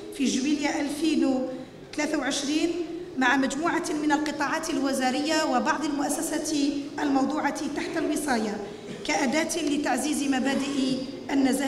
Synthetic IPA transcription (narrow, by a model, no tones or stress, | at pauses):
fiʒwiːljaʔælfiːn | t̪alæːθawʕɪʃɾiːnmaʕamæd͡ʒmuːʕamɪnalqɨt̪ˤɑːʕɑːt̪ɪlwɪzaɾɪjːawɪbɑʕd̪ˤalmʊʔæsːæsat̪ʔalmɑwd̪ˤuːʕɑt̪aħt̪alwɨsˤɑːjɑ | kaʔæd̪æːt̪lɪt̪aʕziːzmabæːd̪ɪʔ | ʔanːæzaː